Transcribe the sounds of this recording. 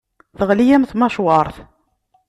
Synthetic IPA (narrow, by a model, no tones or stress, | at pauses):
θəʁlijæmθmɑʃwɑɾˤθ